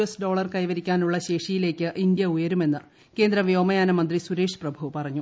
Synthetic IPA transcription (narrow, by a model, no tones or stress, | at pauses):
esɖo̞ːɭɐrkɐjʋɐɾikʲːaːnuɭːɐɕe̞ːʂijile̞ːkʲːɨʔind̪jɐujɐɾume̞nːɨ | ke̞ːnd̪ɾɐʋjo̞ːmɐjaːnɐmɐnd̪risuɾeːʂɨ̥prɐbʱuʋpɐrɐɲːu